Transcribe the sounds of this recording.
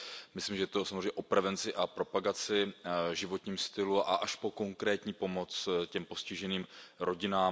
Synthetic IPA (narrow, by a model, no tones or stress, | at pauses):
mɪslimʒɛt̪osamozreɛɲɛʔopɾɛvɛnt͡sɪʔapɾo̞paɡat͡sɪʒɪvot̪ɲiːmst̪ɪluʔa̰ʔaʃpo̞ko̞ŋkɾɛːt̪ɲiːpo̞mo̞t͡scɛmpo̞scɪʒɛniːmɾʔo̞ɟɪnaː